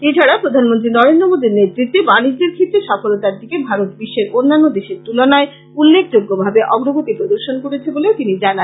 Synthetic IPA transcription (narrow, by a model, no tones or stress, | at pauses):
et͡ɕʰaɽapɾod̪ʱanmont̪ɾinɔɾend̪ɾomod̪iɾnet̪ɾit̪ːebanid͡ʑd̪eɾkʰit̪ːeʃɔfolot̪aɾd̪ikebʱaɾot̪̚biʃːeɾonːanːod̪eʃeɾt̪ulonae | ulːek̚d͡ʑoɡːobʱabeʔɔɡɾoɡot̪ipɾod̪oɾʃonkoɽet͡ɕʰeboleot̪inid͡ʑanan